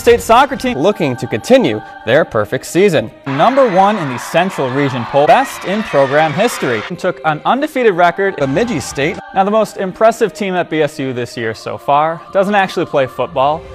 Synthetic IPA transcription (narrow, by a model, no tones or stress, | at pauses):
steɪtsɑkɹɨtʰĩlʊkɪ̃ŋtʰɨkɨ̃ntʰɪ̃njʉ̰ | ðə˞pʰɜ̰˞fɪk̚tsizɨ̃nnʌ̃mbə˞wʌ̃nɨ̃nðɨsɛ̃nt͡ʃɹ̥l̩ˠɹid͡ʒɨ̃npʰoʊbɛstɪ̃npʰɹ̥oʊɡɹæ̃mɦɪstɹintʰʊkə̃nʌ̃ndɨfiɾɨd̚ɹɛkə˞ɾɨmɪd͡ʒisteɪt̚naʊðəmoʊstɨ̃mpʰɹ̥ɛsɨv̥tʰĩmɨt̚b̥iɛsjʉðɪsjɪɹso̰ʊfɑɹd̥ʌzə̃n̩tæk̚t͡ʃʉl̩ˠipʰl̥eɪfʊt̚b̥ɔlˠ